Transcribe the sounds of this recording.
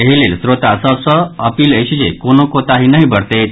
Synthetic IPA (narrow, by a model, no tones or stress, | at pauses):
eɦilelsɾot̪asɔsɔəpiːleɕid͡ʑekonokot̪aɦinəɦibəɽt̪et̪